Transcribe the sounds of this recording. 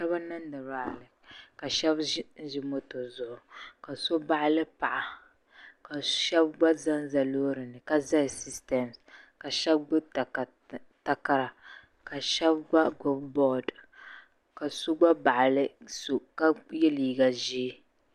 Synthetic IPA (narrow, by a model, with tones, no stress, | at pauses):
ʃɛ˦ba˦na˦n˦dɨ˨ɾa˨a˨lɨ˨ka˨ʃɛ˦bʒɪ˦mo˦to˨zʊ˨ʔʊ˨ka˨so˦ba˦ʔa˦lɨ˦pa˨ʔa˨ | ka˨ʃɛ˦bɡ͡ba˦za˦n˦za˨loː˦ɾɨ˨nɨ˨ka˦za˦jsi˦stɛ˨ms | ka˨ʃɛ˦bɡ͡bʊ˦ta˨k | ta˨ka˦˨ɾa˨ | ka˨ʃɛ˦bɡ͡ba˦ɡʊ˦bbɔ˦d | ka˨so˦ɡ͡ba˦ba˨ʔa˨lɨ˦so˨ka˦jɛ˦liː˨ɡa˨ʒi˦